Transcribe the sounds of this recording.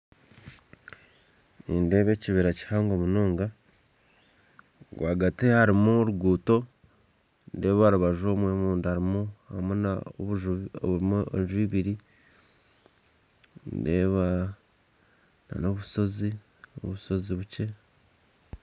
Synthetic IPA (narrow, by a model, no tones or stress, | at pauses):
inde̞ːβe̞ːciβiɾaci̥haːŋɡo̞munoːŋɡa | ɡwʔaːɡatihaɾimuɾuɡuːto̞ | nde̞ːβaɾuβaʒo̞ːmwe̞muːnduhaɾimuhamunaoβuʒoβumoenʒwiβiɾi | nde̞ːβa | na̰no̞βuso̞zi | o̰βuso̞ziβuce̞